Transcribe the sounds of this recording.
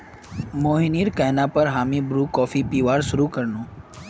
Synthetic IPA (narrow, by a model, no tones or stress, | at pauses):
moːɦiniːɾkɛɦnapəɾɦaːmibɾuːkɔːfipiːʋaːɾsʊɾukəɾnũː